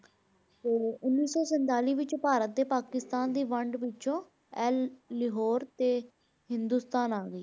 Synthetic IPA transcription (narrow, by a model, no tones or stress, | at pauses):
t̪eːʊnːiːsɔːsənt̪aːliːʋɪt͡ʃopaːɾət̪ːeːpaːkɪst̪aːnd̪iːʋəɳɖʋɪt͡ʃõː | ɛlːɪɦoːɾt̪eː | hɪ̃nd̪uːst̪aːnaːɡəḭː